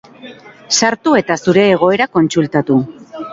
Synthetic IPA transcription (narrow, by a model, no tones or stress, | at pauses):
saɾt̪ue̞t̪asuɾe̞ːɣ̞o̞e̞ɾako̞nt͡sult̪at̪u